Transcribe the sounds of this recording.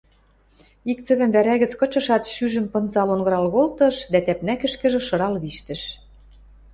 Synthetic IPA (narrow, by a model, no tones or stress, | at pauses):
ik̚t͡sɘ̆βɘ̆mβæɾæɣɘ̆t͡skɤ̆t͡ɕɤ̆ʃɑt̪ʃyʒɘ̆mpɤ̆nzɑloŋɣɤ̆ɾɑlɣolt̪ɤ̆ʃd̪æt̪æpnækɘ̆ʃkɘ̆ʒĕʃɤ̆ɾɑlβiʃt̪ɘ̆ʃ